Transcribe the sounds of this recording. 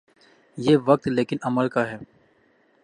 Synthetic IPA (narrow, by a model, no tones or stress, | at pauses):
jeːʋɐk̚t̪leːkɪnɐməlkaɦɛː